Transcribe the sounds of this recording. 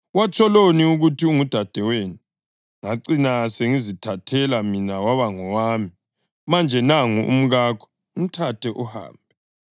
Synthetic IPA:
wat͡ʃʰɔloniuɣutʰiuŋud̥ʱad̥ʱɛweːni | ŋaǀinaseŋizitʰatʰɛlaminawaβaŋɔwaːmi | mand͡ʒʱɛnaŋuʔṵm̩ɣaːkʰɔ̥ | um̩tʰatʰɛʔuha̰ːmbʱɛ

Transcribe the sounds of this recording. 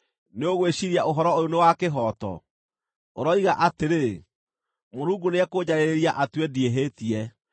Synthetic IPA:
neoɣweɕiɾiaoɦɔɾɔojonewakeɦɔtɔ̰ | oɾɔiɣaʔateɾe | moɾuːɡuneɛkoɲaɾeɾeɾiaʔatwɛdieɦetiɛ

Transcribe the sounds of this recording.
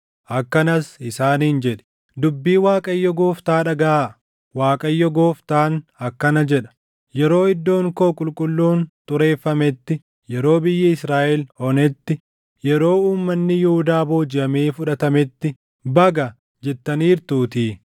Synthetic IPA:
ʔɐkːɐnɐsɪsaːniːnd͡ʒɛᶑɛ̥ | d̪ʊbːiːwaːkʼɐjːɔɡoːft̪aːᶑɐɡɐ | waːkʼɐjːɔɡo̞ːft̪aːnɐkːɐnɐd͡ʒɛᶑɐ̥ | jɛɾo̞ːɪd̪ːo̞ːŋkoːkʼʊlkʼʊlːuːnt̪ʼʊɾe̞ːfːɐmɛt̪ːɪ | jɛɾo̞ːbɪjːɐɪsɾaːʔɛlɔnɛt̪ːɪ | jɛɾo̞ːuːmːɐnːɪjʊhʊd̪aːboːd͡ʒɪʔɐmeːfʊᶑɐt̪ɐmɛt̪ːɪ | bɐɡɐ | d͡ʒɛt̪ːɐniːɾt̪uːt̪iː

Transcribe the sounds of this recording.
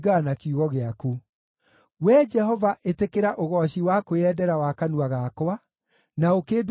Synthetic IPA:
ɡanakiuɣɔɣeaku | wɛd͡ʒɛhɔvaʔetekeɾaʔoɣɔɕiwakoɛdɛɾawakanuaɣaːkowa | naokeːd

